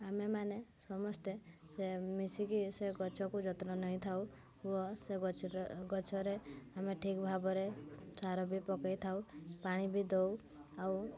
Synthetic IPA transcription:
amemanesɔmɔst̪esemisikiseɡɔt͡ʃʰɔkud͡ʒɔt̪nɔnɔɦĩt̪ʰaw | uɔse | ɡɔt͡ʃʰɔɾeameʈʰikbʱabɔɾesaɾɔbʱipɔkajt̪ʰawpaɽ̃ibʱid̪ow | aw

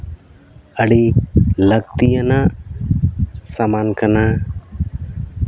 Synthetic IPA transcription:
əɽiləɡt̪ijanaʔ | samankana

